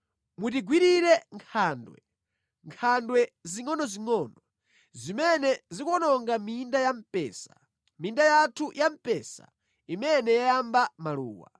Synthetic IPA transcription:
mutiɡwiɾiɾɛŋkʰandwɛ̰ | ŋkʰandwɛziŋɔnɔziŋɔːnɔ | zimɛnɛzikwɔnɔŋɡamindajam̩pɛːsḁ | mindajatʰujam̩pɛsa̰ | imɛnɛjajambamalṵːwa̰

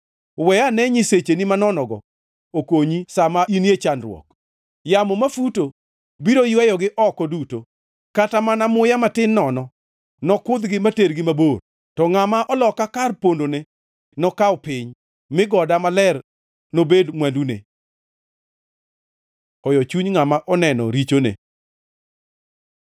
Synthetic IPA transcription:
wɛjanɛɲiset͡ʃenimanɔnɔɡɔ̰ | okoɲisamaʔinjet͡ʃanɾwɔ̰k̚ | jamɔmafuto | biɾojwɛjɔɡɪʔɔkɔduto | katamanamʊjamatɪnːɔnɔ | nɔkʊd̪ɡɪmateɾɡɪmabor | tɔŋamaʔɔlɔkakarpondone | nɔkaɔpɪɲ | mɪɡɔdamalɛr | nobedŋwandunḛ | ɔjɔt͡ʃuɲŋamaʔɔnɛnɔ̰ɾit͡ʃonḛ

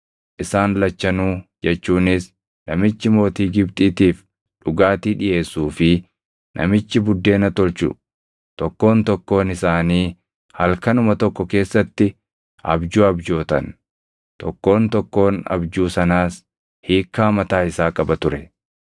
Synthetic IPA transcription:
ʔɪsaːnlɐt͡ʃːɐnuːd͡ʒɛt͡ʃːuːnɪs | nɐmɪt͡ʃːɪmo̞ːt̪iːɡɪb̚t̪ʼiːt̪iːf | ᶑʊɡaːt̪iːᶑɪjʔe̞ːsuːfɪ | nʔɐ̰mɪt͡ʃːɪbʊd̪ːe̞ːnɐt̪ɔlt͡ʃʊ̰ | t̪ɔkːo̞ːnt̪ɔkːo̞ːnɪsaːniː | hɐlkɐnʊmɐt̪ɔkːɔke̞ːsːɐt̪ːɪ | ʔɐ̰bd͡ʒuːɐbd͡ʒo̞ːt̪ɐn | t̪ɔkːo̞ːnt̪ɔkːo̞ːnɐ̰bd͡ʒuːsɐnaːs | hiːkːaːmɐt̪aːɪsaːkʼɐbɐt̪ʊɾɛ

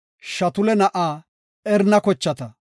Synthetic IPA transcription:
ʃɐt̪ʊlɛnɐʔaː | ɛɾnɐkɔt͡ʃːɐt̪ɐ

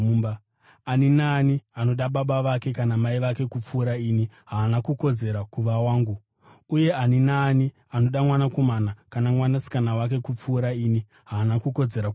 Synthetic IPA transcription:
ba | aninaːniano̞ɗaɓaɓaʋake̞kanamaiʋake̞kup͡fuːɾaiːniɦaːnakuko̞d͡ze̞ɾakuʋawaːŋɡu | uje̞aninaːni | ano̞ɗamwanakomanakanamwanasi̥kanawak̬e̞kup͡fuːɾaiːni | ɦaːnakuko̞d͡ze̞ɾa

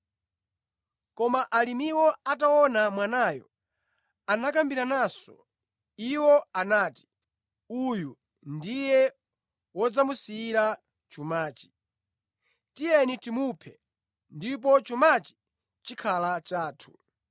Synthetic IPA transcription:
kɔmaʔalimiwɔataɔnamwanaːjɔ̰ | anak̬ambiɾanaːsɔ̰ | iwɔanaːti̥ | uju | ndijɛ | wɔd͡zamusiːɾa | t͡ʃumaːt͡ʃi̥ | tijɛnitimupʰɛ | ndip̬ɔt͡ʃumat͡ʃi̥ | t͡ʃikʰalat͡ʃaːtʰu̥

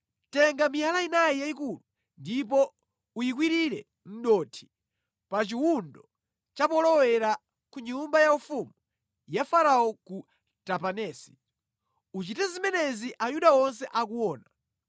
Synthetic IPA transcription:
tɛŋɡamialainajijaikulu | ndip̬ɔ | ujik̬wiɾiɾɛ | n̩ɗɔtʰi̥ | pat͡ʃiwundɔ | t͡ʃapɔlɔwɛɾa | kuɲumbajaufumu | jafaɾaɔku | tapanɛːsi̥ | ut͡ʃitɛzimɛnɛziʔajuɗaɔns̬ɛʔak̬uwɔːna

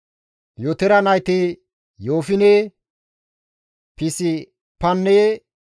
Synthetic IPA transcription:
jot̪ɛɾɐnɐjt̪ɪ | joːfɪneː | pɪsɪ | pɐnːeː

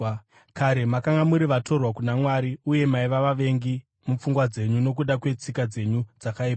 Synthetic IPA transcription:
kaɾe̞makaŋɡamuɾiʋato̞rwakunamwaɾiuje̞maiʋaʋaʋe̞ŋɡi | mup͡fuŋɡwad͡ze̞ɲuno̞k̬uɗakwe̞t͡sikad͡ze̞ɲud͡zakaipa

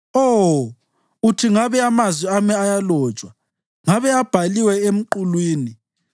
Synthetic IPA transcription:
o | utʰiŋaβɛamazwiamɛajalɔ̥ːt͡ʃʼwa | ŋaβɛab̥ʱaliwɛem̩ǃulwiːni

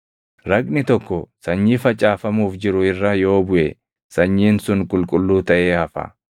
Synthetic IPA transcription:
ɾɐkʼnɪt̪ɔkːɔsɐɲːiːfɐt͡ʃʼːaːfɐmuːfd͡ʒɪɾʊɪrːɐjo̞ːbʊʔɛ | sɐɲːiːnsʊŋkʼʊlkʼʊlːuːt̪ɐʔeːhɐfɐ̰

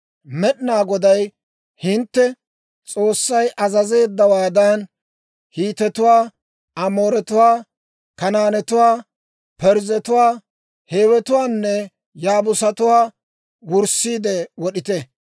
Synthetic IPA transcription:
mɛɗɪnaːɡɔd̪ɐj | hɪnt̪ːɛ | t͡sʼoːsːɐjʔɐzɐze̞ːd̪ːɐwaːd̪an | hiːt̪ɛt̪ʊwaː | ɐmoːɾɛt̪ʊwaː | kɐnaːnɛt̪ʊwaː | pɛɾzɛt̪ʊwaː | he̞ːwɛt̪ʊwaːnːɛ | jaːbʊsɐt̪ʊwaː | wʊɾsiːd̪ɛwɔɗɪt̪ɛ

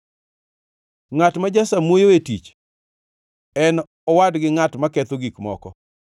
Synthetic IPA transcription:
ŋatmad͡ʒasamwojoetḭt͡ʃ | ɛn | ɔwadɡɪŋatmakɛt̪oɡikmɔ̰kɔ

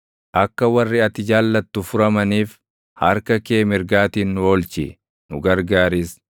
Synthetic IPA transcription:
ʔɐkːɐwɐrːɪɐt̪ːɪd͡ʒaːlːɐt̪ːʊfʊɾɐmɐniːf | hɐɾkɐkeːmɪɾɡaːt̪iːnːʊo̞ːlt͡ʃɪ̰ | nʊɡɐɾɡaːɾɪs

